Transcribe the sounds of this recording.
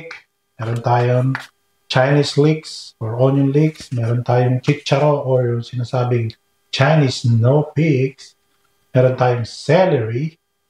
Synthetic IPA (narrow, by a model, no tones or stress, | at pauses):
k | mɛːɾont̪aːjoŋ | t͡ʃajnisliksɔɹonjʊnliksmɛːɾont̪aːjoŋt͡ʃit͡ʃːɐɾoʔoɹjʊŋsɪnaːsaːbɪŋ | t͡ʃajnisnopiks | mɛːɾont̪aːjoŋsɛlɛɹi